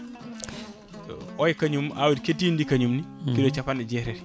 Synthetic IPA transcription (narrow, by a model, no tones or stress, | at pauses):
ɔjkaɲumawudketːiːndikaɲumnikidot͡ʃapanɛd͡ʒɛɾɛɾ